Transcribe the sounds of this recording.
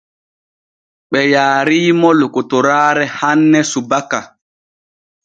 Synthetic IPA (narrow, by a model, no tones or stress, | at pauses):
ɓɛjaːɾiːmɔlokutɔɾaːɾɛhanːɛsubaka